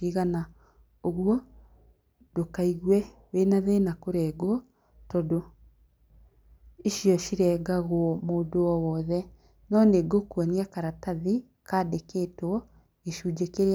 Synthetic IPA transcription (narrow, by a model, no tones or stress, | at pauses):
iɣana | oɣuɔ | dokaiɣwɛ | wenaðenakoɾɛɡoɔ | tɔdo | iʃjɔʃiɾɛɡaɣwɔmoːndoɔwɔðɛ | nɔneɡokuɔniakaɾataði | kadekeːtwɔ | eʃuːd͡ʒekeɾ